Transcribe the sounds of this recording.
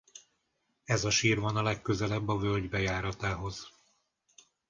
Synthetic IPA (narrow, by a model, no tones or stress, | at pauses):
ɛzɒʃiːrvɒnɒlɛkːøzɛlɛbːɒvølɟbɛjaːɾɒt̪aːɦo̞z̥